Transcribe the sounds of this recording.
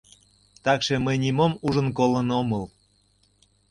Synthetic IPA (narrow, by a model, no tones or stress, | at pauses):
t̪ɑkʃeməjnʲimomuʒənkolənomɤl